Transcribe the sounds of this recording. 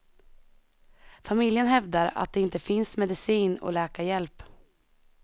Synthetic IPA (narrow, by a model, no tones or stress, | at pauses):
famɪljənhɛvd̪aɾa̰t̪̚d̪ɛɪnt̪əfɪnsmɛd̪ɪsiːnɔ̰lɛːkajɛlp